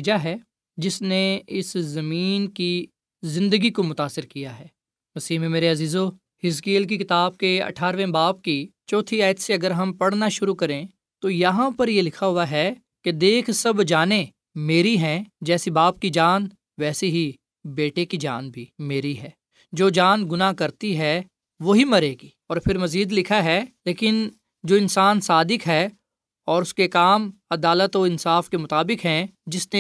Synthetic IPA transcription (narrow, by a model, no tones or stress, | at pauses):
d͡ʒaɦɛː | d͡ʒɪsneɪszɐmiːnki | zɪ̃nd̪əɡikomʊt̪aːsɪɾkijaɦɛː | mɐsiːɦmẽmeːɾeɐziːzoː | hɪskiːlk̬ikɪt̪aːb̚keɐ̰ʈʰaːɾʋẽbaːpkit͡ʃɔːt̪ʰiaːjət̪seɐɡəɾɦɐmpɐɽnaʃʊɾukɐɾẽ | t̪ojɐɦãpɐɾjelɪkʰaɦʊaɦɛː | ked̪eːkʰsɐbd͡ʒaːne | meːɾiɦɛ̃ːd͡ʒɛːsibaːp̚kid͡ʒaːn | ʋɛːseɦi | beːʈekid͡ʒa̰ːnbʱiːmeːɾiɦɛː | d͡ʒoːd͡ʒaːnɡʊnakɐɾt̪iɦɛ | ʋoɦimɐɾeːɡiːɔːɾpʰɪɾmɐziːd̪lɪkʰaɦɛleːkɪn | d͡ʒoːɪnsaːnsaːd̪ɪkɦɛː | ɔːɾʊskekaːmɐd̪aːlət̪oɪ̃nsaːfkemʊt̪aːbɪkɦɛ̃d͡ʒɪsne